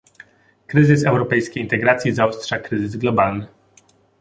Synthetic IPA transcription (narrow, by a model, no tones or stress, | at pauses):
kɾɘzɘsɛwɾɔpɛjskʲejint̪ɛɡɾat̪sʲjizaɔstʂakɾɘzɘzɡlɔbalnɘ